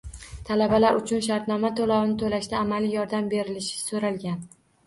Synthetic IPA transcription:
t̪ʰalabalaɾʊt͡ʃʰʊnʃ̬aɾt̪nɒmat̪ʰolawɪnɪt̪ʰolaʃd̪aːmalijɒɾd̪ambe̞ɾɪlɪʃɪ̥soɾalɡʲan

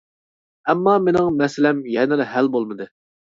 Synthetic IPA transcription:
ɛmːɑmenɪŋmɛsɪlɛmjɛnɪlɪɦælbolˠmɨd̪ɨ

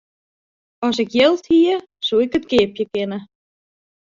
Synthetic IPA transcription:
ɔsɪkjɪlˠthiə | suɪkətɡɪːpjəkɪnə

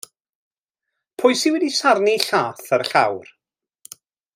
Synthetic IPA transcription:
pʰʊjsiwɛdisarniɬaːθəɾɬa̰wr

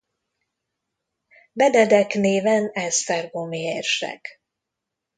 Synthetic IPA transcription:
bɛd̪ɛd̪ɛkneːvɛnɛst̪ɛrɡomeeːrʃɛ̰k

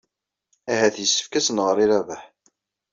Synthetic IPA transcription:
æhæθjəsːə̥fkæsənʁəɾiɾævæħ

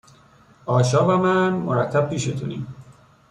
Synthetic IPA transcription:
ɒːʃɒːvæmænmo̰ɾæt̪ʰːæb̚pʰiːʃet̪ʰuniːm

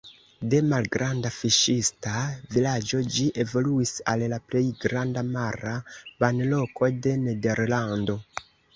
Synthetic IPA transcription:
de̞malɡɾandafiʃistavilad͡ʒo̞d͡ʒiʔe̞vo̞luisallaple̞jɡɾandamaɾabanlo̞ko̞de̞ne̞de̞ɾlando̞

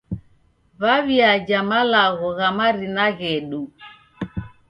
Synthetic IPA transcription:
βaβiad͡ʒamalaɣɔɣamaɾinaɣɛɗu

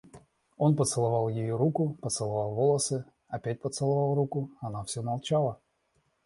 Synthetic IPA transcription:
o̞npət̪sɨlˠɐvɑlˠjɪjoɾukʊpət̪sɨlˠɐvɑlˠvolˠəsɨ | ɐpʲæt̚ʲpət̪sɨlˠɐvɑlˠrukʊɐnafsʲɵmɐlˠt͡ɕalˠə

